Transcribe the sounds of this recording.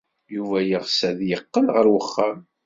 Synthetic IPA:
juvæjəʁsæðjəqːəlʁəɾwəχːam

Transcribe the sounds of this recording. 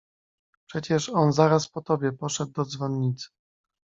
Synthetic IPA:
pʂɛt͡ɕɛʂɔnzaɾaspɔt̪ɔbʲjɛpɔʂɛd̪̚ːɔd̪zvɔnːit̪sɘ̥

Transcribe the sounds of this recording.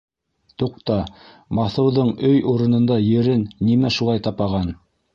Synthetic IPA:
t̪uq̚t̪ɑ | mɑθɤ̆wðɤɴɵjuɾɤ̆nɤ̆nd̪ɑjɘ̆ɾɘnːimæʃulˠɑjt̪ɑpɑʁɑn

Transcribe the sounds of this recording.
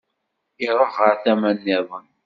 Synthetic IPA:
ɪɾˤəʁːəɾθæmænːɪðˤən

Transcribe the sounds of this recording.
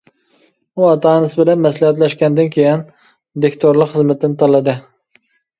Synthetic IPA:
uɑt̪ʰɑːnɨsɨbɪlɛnmɛslˠɪhæt̪̬lɛʃkʲɛnd̪ɪnkʲʰejɪn | d̪ekʲt̪ʰoɾlˠəqχəzmɪt̪ːɪnɪt̪ʰɑlˠːɨd̪ɨ

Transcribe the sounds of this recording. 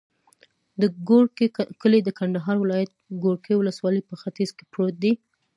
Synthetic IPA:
d̪əɡokəled̪əkaɳd̪aɦɑɾwɪlɑjat̪̚ɡoɾkewʊləswɑləjpəxat̪izke̥pɾot̪̚d̪i

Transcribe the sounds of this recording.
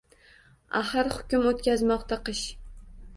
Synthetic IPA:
ahɨɾhʊkʲʊmot̪kʲazmɒqt̪ʰaqʰɨʃ

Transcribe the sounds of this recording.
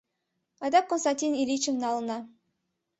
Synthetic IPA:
ɑd̪ɑkːonst̪ɑnʲt̪ʲinilʲit͡ʃevnɑlˠɤ̆nɑ

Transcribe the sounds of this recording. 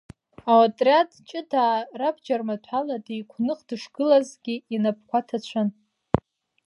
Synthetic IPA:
awatʼrʲjatt͡ʃʼɪdaːrabd͡ʒarmatʷʰħaladijkʷʰnɨqʼdɨʂɡ̥ɨlazɡʲiinap̚ʰkʷatʰat͡ɕʷʰan

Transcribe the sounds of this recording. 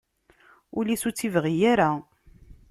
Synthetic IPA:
ʊlisut͡sːivʁijaɾa

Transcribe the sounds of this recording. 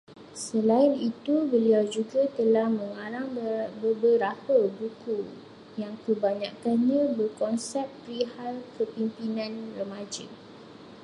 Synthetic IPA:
səlaɪnit̪ubəliad͡ʒuɡat̪əlahmə̃ŋaɾaŋbbəɾapəbuku | jaŋkəbaɲakanɲãbərkɔnsɛp̚pɾihalkəpimpinãnrəmãd͡ʒa

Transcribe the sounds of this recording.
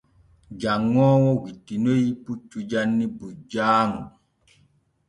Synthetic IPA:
d͡ʒaŋːɔːwɔwitːinojiput͡ʃːud͡ʒanːibud͡ʒaːmu

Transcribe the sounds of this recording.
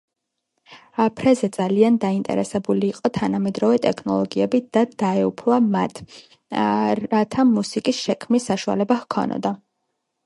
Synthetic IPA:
apʰɾɛzɛd̪z̥aliand̪aint̪ʼɛ̰ɾɛsɛbuliːqʼɔt̪ʰanamɛd̪ɾɔvɛt̪ʼɛkʰnɔ̰lˠɔɡiɛbid̪̥ad̪̥aɛupʰlamat̪ʰ | at̪ʰamusikʼisʃɛkʰmisːaʃua̰lɛbahkʰɔ̰nɔ̰d̪a

